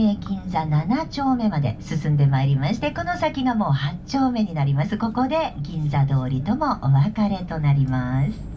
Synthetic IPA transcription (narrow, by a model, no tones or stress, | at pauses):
eɡʲĩnzananat͡ɕo̞ːme̞mad̪e̞̰sɨsɨ̃nd̪e̞maeɾʲimaɕi̥t̪e̞ko̞no̞sakʲiɡamo̞ːhat͡ɕo̞ːme̞ɲ̟inaɾʲimasɨko̞ko̞d̪e̞ɡʲĩnd͡zad̪o̞ːɾʲit̪o̞mo̞ʔoβakaɾe̞t̪o̞naɾʲimasɨ̥